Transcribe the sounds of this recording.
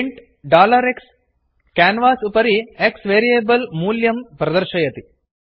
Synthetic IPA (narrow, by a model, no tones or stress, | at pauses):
ɳʈ | ɖaːlɐɾeks | kaːnʋaːsupɐɾieksʋeːɾijeːbɐlmuːljɐmpɾɐd̪ɐɾʃɐjɐt̪i